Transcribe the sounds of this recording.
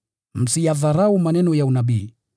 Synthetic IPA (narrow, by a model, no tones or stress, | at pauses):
m̩sijaðaɾaumanɛnɔjaunaɓiː